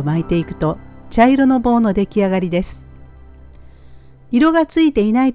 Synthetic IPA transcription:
mait̪e̞ikɯ̟̥t̪o̞t͡ɕaiɾo̞no̞bo̞ːno̞d̪e̞kʲiaɡaɾʲid̪e̞sɨ̥ | iɾo̞ɡat͡sɨit̪e̞inait̪

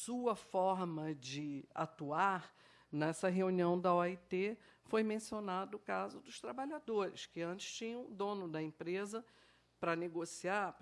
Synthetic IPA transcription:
suɐfɔɾmɐd͡ʒɪa̰t̪uaɾ | nɛsɐɦeuniɐ̃w̃d̪ɐɔit̪e | fojmẽsionad̪ʊːkazʊd̪ʊʃt̪ɾabaʎad̪oɾɪskɪɐ̃t͡ʃɪ̥ʃt͡ʃĩɲɐ̃w̃ʊd̪õnʊd̪ɐẽpɾezɐ | pɾɐneɡosiaɾp

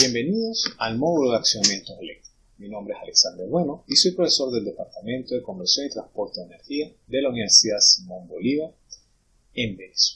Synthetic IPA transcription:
bje̞mbe̞niðo̞salmo̞ðuloðeaksjonamje̞nt̪oselḛk̚t̪ɾi̥ko̥sminombɾeesaleksand̪eɾβwenoiso̞jpɾofe̞so̞ɾðe̞ld̪epaɾt̪amẽnt̪o̞ðe̞ko̞mbeɾsjo̞ŋit̪ɾãnspo̞ɾt̪eðene̞ɾxia | ðe̞launiβe̞ɾsiðaðsimõ̞mboliβa | embeneswe

